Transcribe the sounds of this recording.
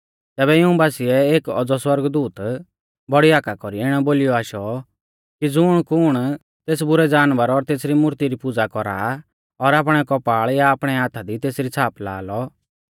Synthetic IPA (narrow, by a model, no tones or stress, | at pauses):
t̪ɛːbɛjɪũbaːsiɛeːkɔd͡zɔswɐɾɡd̪uːt̪ | bɔɽiaːkakɔɾiɪɽ̃ɔboːlɪjɔaːʃɔ | kid͡zʊɽ̃kʊɽ̃ | t̪eːsbʊɾɛd͡zaːnʋəɾɔɾt̪eːsɾimʊɾt̪iɾipʊd͡zakɔɾa̰ | ɔɾaːp̬ɽ̃ɛkɔpaːɭjaːpɽ̃ɛaːt̪ʰad̪it̪eːsɾit͡sʰaːpla̰ːlɔ